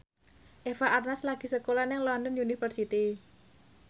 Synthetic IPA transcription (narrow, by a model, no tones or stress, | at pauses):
ʔefaʔarnaslaɡ̥i̤səkolanɪŋlɔndənjunifərsit̪i